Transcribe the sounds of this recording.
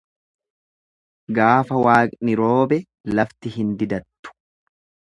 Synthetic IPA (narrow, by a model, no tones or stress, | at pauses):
ɡaːfɐwaːkʼnɪɾo̞ːbɛ | lɐft̪ɪhɪnd̪ɪd̪ɐt̪ːʊ̥